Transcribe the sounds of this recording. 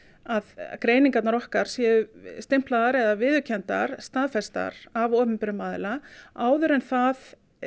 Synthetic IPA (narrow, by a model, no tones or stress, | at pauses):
aðkɾeːjniŋkat̪naɾɔhkaɾ̥sjɛʏst̪ɪm̥plaðaɾɛðavɪːðʏcʰɛnt̪a̰ɾ̥st̪aðfɛst̪a̰ɾavɔːmɪmpɪɾʏmaːðɪ̰laaːwðʏɾɛnθað